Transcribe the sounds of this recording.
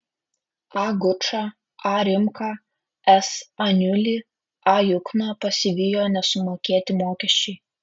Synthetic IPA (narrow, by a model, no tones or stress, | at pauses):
ɑːɡʊt͡ʃɑː | ɑːɾʲɪmkɑ | ɛsɐnʲʉlʲi | ɑːjʊknɑpɐsʲɪʋʲɪjoːnʲɛsʊmoːkʲeːt̪ʲɪmoːkʲɛʃʲt͡ʃʲɛɪ